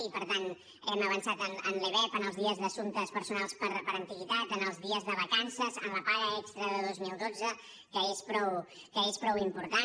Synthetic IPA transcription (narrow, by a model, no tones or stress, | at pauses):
ipəɾt̪an | ɛməβənsat̪ənə̰nleβɛpənəlˠzðiəzðəsunt̪əspəɾsunalˠspəɾpəɾənt̪iɣit̪at̪ənəlˠzðiəzðəβəkansəzə̰nləpaɾəɛkst̪ɾəðəðozmilˠd̪od͡zə | kəespɾɔw | kəespɾɔwimpuɾt̪a